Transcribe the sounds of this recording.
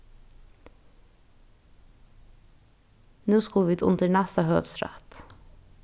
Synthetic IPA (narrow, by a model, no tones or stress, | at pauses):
nuːskʊlʋiːt̪ʰʊ̰nt̪əɳæst̪əhø̰ːʋsɾæ̰t̪